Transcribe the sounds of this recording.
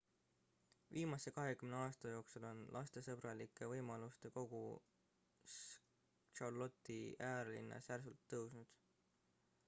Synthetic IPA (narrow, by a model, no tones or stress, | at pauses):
viːmɑse̞kɑɦe̞kymneɑːst̪ɑjo̞ːksulo̞nlʔɑ̰st̪e̞sɤb̥ɾɑlikːˑe̞vɤjmɑlust̪e̞ko̞ɡ̥u | s | t͡ʃɑrlo̞t̪ːˑiæːɾlḭnːɑ̰særsult̪ːɤwsnud̪̥